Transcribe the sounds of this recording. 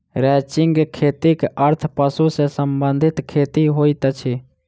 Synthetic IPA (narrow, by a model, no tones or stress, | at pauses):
ɾɛːt͡ʃɪŋɡkʰeːt̪ikəɾt̪ʰpəsusesəmbənd̪ʱɪt̪kʰeːt̪iɦoːit̪ət͡ʃʰeː